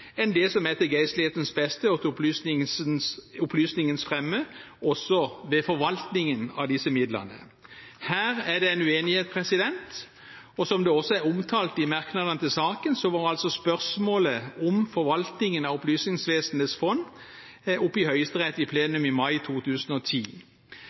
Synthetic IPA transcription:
ɛnd̪ɛːsɔmɛt̪ːəɡæɪst̪lɪeːt̪ən̩sbɛst̪əɔt̪ʊplyːsnɪsʊplyːsnɪŋənsfʁɛmːəʔɔsɔʋɛfɔɾʋɑlt̪nɪŋənɑ̰d̪ɪsːəmɪd̪lə̰nə̰ | hæːɾæɖ̪ɛæɪnʉeːnɪheːt̪̚pʰʁɛsɪd̪ɛnt̪ | ɔsɔmd̪ɛɔsɔæʊmt̪ʰɑːlt̪ɪmɑʁknɑd̪ənət̪ɪlsɑːkənsɔʋɑːɾɑlsɔspœʁsmoːləʊmfɔɾʋɑlt̪nɪŋənɑʊplyːsnɪŋsʋeːsən̩et̪sfɔn | ʊpːɪhœʏəst̪əʁɛt̪ːɪpʰleːnʉmɪmɑɪt̪ʰuːt̪ʰʉːsnɔt̪ʰiː

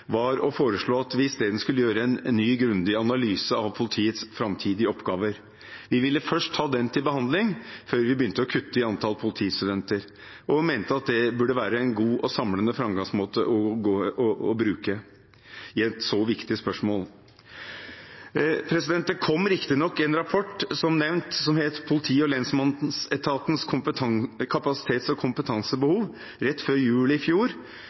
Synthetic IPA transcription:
ʋɑɾɔfoːɾəʂɭoːɑt̪ʋɪɪst̪eːd̪nəskʉlːəjøːɾəɛnːyːɡɾʉnd̪ɪɑnɑlyːsəɑʋpʰʊlɪt̪ʰiːət̪sfɾɑmt̪ʰiːd̪ɪəɔpɡɑːʋəɾ | ʋɪʋɪlːəfœʂʈ̚tʰɑːd̪ɛnt̪ʰɪlbəhɑnd̪lɪŋføːɾʋɪbəjʏnt̪əɔkʰʉt̪ːəɪɑnt̪ʰɑlpʰʊlɪt̪ʰiːst̪ʉd̪ɛnt̪əɾ | ʔɔmeɪnt̪əɑt̪̚d̪ɛbʉɖəʋæːɾəɛnɡuːʔɔsɑmlənəfɾɑmɡɑŋsmoːt̪əʔɔɡoːʔɔɔbɾʉːkə | ɪɛt̪sɔʋɪkt̪ɪspœʂmoːl | pʰɾɛsɪd̪ɛnt̪d̪ɛkʰɔmːɾɪkt̪ɪnɔkːɪɛnɾɑpʰɔʈːsɔmnɛʋnt̪sɔmheːt̪pʰʊlɪt̪ʰiːɔlɛnsmɑnsɛt̪ʰɑːt̪n̩skʰʊpəkʰɑpɑsɪ̥t̪ʰeːt̪sɔkʰʊmpət̪ʰɑŋsəbəhuːʋ | ɾɛt̪ːføːɾjʉːləɪfjuːɾ

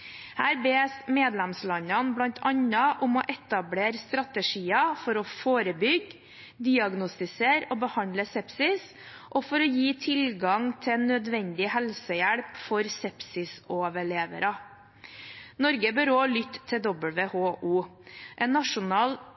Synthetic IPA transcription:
hæːɾbeːsmeːd̪lɛmslɑɲɑnblɑnt̪ʰɑɲɑʔʊmɔʔɛt̪ɑbleːɾst̪ɾɑt̪əʂiːɑfɔɾɔfoːɾəbʏɡ | d̪ɪɑɡnʊst̪ɪseːɾoːbəhɑnd̪ləsɛpsɪs | ʔɔfɔɾɔjiːt̪ʰɪlɡɑŋt̪ʰɛnœd̪ʋɛnd̪ɪhɛlsəjæɽpfɔɾsɛpsɪsoːʋəɭeːʋə̰ɾɑ | nɔɾɡəbœɾoːlʏt̪ʰːɪd̪ɔbəlʋeːhoːʔuːʔɛːnːɑʂʊnɑːl

